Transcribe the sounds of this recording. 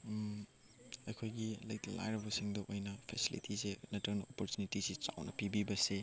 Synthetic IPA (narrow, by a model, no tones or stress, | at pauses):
ɐjkʰojɡilɐjtɐla̰jɾɐbɐsiŋdɐʔojnɐpʰesilḭtʰisenɐtʰɐwnɐopoɾtjunitisit͡ʃa̰wnɐ̰pibibɐse